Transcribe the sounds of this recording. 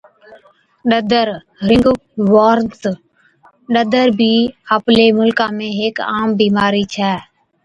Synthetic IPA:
ɗəd̪əɾ | ɾɪŋɡʋaːɾnt̪ | ɗəd̪əɾbʱiːəpleːmʊlkãːmẽːɦeːkaːmbiːmaːɾiːt͡ʃʰɛː

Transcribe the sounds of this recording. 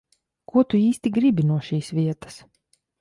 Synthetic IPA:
kuɔt̪uiːst̪iɡɾibʲinuɔʃiːsvʲiɛt̪ə̥s

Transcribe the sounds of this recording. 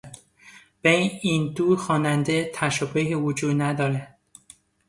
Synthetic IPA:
b̥eiːnd̪uːxɒːnænd̪et̪ʰæʃobeɦivod͡ʒuːd̪næd̪ɒːɾænd̪̥

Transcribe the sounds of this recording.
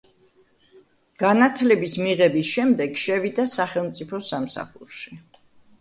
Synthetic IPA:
ɡ̥anat̪ʰlɛbismiʁɛbisʃɛmd̪ɛɡ̥ʃɛvid̪asaχɛlˠmt̪sʼipʰɔsamsa̰χuɾʃi

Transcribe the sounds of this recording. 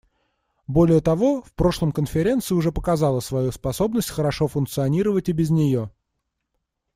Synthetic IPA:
bo̞lʲɪjət̪ɐvo̞fpɾo̞ʂlˠəmkənfʲɪɾʲe̞nt̪sɨɪʊʐɛpəkɐzɑlˠəsvɐjuspɐso̞bnəsʲtʲxəɾɐʂofʊnk̚t̪sɨɐnʲiɾəvətʲɪbʲɪznʲɪjo̞

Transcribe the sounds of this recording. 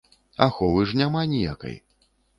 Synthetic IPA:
a̰xɔvɨʐnʲamanʲija̰kɐ̰j

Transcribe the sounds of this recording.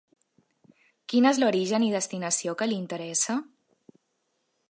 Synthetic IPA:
kinezloɾiʒəniðəst̪inəsiokəlint̪əɾɛsə

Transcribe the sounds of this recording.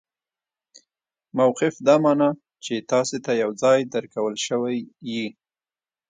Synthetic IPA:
mawqɪfd̪ɑmɑnɑ | t͡ʃet̪ɑset̪ajawd͡zɑjd̪əɾkawəlʃəwajːi

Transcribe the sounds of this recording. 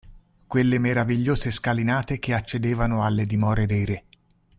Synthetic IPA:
kwelːemeɾaviʎːoːzeskalinaːt̪ekeat͡ʃːed̪eːvanoalːed̪imɔːɾed̪ɛːɾe

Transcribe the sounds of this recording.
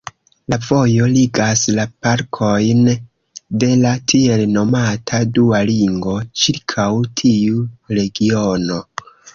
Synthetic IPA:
lavo̞jo̞liɡaslapaɾkʰo̞jn | de̞latʰie̞lno̞matʰadualiŋɡo̞t͡ʃiɾkʰawtʰiuɾe̞ɡio̞no̞

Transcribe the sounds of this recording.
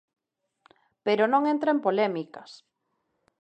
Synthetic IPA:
peɾonõŋẽnt̪ɾaempolɛmikɐs

